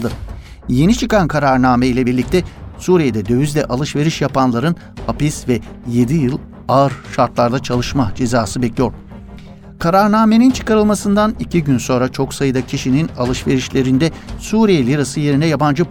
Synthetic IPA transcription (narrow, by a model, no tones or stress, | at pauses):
ɯ | jenit͡ʃʰɯkankʰaɾaɾnaːmɛilʲɛbiɾlʲic̚t̪ʰɛsuːɾijed̪ɛd̪ø̞vyzlʲɛʔalˠɯʃve̞ɾiʃjapanlˠaɾɯn | hapisvɛ | je̞d̪ijɯlˠ | aɯɾʃaɾt̪lˠaɾd̪at͡ʃʰalˠɯʃmad͡ʒe̞zaːsɯbɛclʲijo̞ɾ | kʰaɾaɾnaːme̞nint͡ʃʰɯ̥kaɾɯlˠmasɯnd̪anicʰiɟynso̞nɾat͡ʃʰo̞ksajɯd̪acʰiʃininalˠɯʃve̞ɾiʃlʲe̞ɾind̪ɛsuːɾijelʲiɾasɯje̞ɾinɛjaband͡ʒɯ